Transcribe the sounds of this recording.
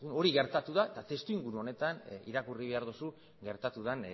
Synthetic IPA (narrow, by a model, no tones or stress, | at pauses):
uno̞ɾiɣe̞ɾt̪at̪uðat̪at̪e̞st̪uiŋɡuɾuo̞ne̞t̪anḭɾakuriβ̞e̞aɾðusu | ɡe̞ɾt̪at̪uðan